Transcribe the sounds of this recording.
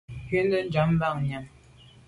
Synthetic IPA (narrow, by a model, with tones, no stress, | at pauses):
ke˦ndə˦nd͡ʒa˨˦m˦ba˦˨ŋɲa˨m